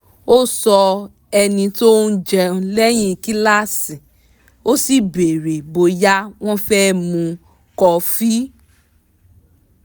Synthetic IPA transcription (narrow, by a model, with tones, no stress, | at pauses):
o˦sɔ˧ | ɛ˧nĩ˧to˦n̩˦d͡ʒɛ˧lɛ˦j̃ĩ˦˨ki˦la˦sĩ˨ | o˦si˦˨be˨ɾe˨bo˧ja˦w̃ɔ̃˦fɛ˦mũ˧ | kɔ˧fi˦